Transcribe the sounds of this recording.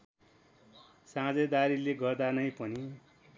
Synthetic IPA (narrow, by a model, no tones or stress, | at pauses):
sãd͡zʌd̪aɾileɡʌrd̪anʌj̃pʌni